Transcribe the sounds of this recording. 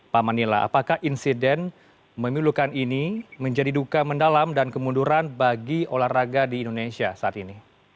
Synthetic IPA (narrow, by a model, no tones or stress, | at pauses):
pamanila̰ʔa̰pakahʔinsidɛn | məmilukaniniməɲd͡ʒadidukaməndalamdankəmunduɾanbaɡiolaraɡadiːndonesiasaːt̪ini